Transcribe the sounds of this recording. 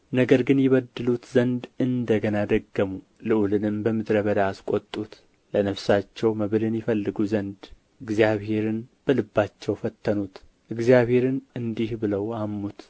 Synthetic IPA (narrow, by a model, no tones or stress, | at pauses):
nəɡəɾɡɨnjɪβəd̪ːɨlut̪zənd̪ɨnd̪əɡənad̪əɡːəmu | lɨʔulɨnɨmbəmɨd̪ɾəβəd̪aːskʼot̪ʼːut̪ | lənəfsat͡ʃːɛwməβɨlɨnjɪfəlːɨɡuzənd̪ | ʔɨɡzijaβhe̞ɾɨnb̥əlɨbːat͡ʃːɛwfət̪ʰːənut̪ | ʔɨɡzijaβhe̞ɾɨnɨnd̪ihbɨləwamːut̪